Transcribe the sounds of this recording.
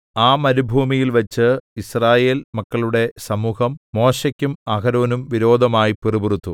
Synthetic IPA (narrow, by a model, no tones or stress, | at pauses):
aːmɐɾubʱuːmijilʋɐt͡ɕːɨisraːje̞ːlmɐkːɐɭuɽe̞sɐmuːhɐmːo̞ːɕɐkʲːumɐɣɐɾo̞ːnumʋiɾo̞ːd̪ʱɐmaːjipiriburut̪ːu